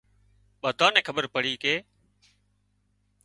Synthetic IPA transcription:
ɓəd̪ʱaːnɛ̃ːkʰəɓəɾpəɽ̤iːkeː

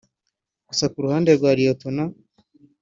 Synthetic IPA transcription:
ɡ̥usakuɾuhaːndeɾɡwaːɾijotona

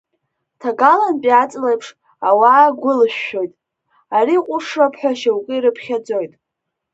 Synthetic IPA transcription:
tʰaɡalanpʼiat͡sʼlejpʰʂ | awaːɡʷʊlʃᶣːo̞jtʼ | aɾiqʷʼʊʂrapʰħʷᶣaʃawukʼɨiɾɨpʰχʲad͡zo̞jtʼ

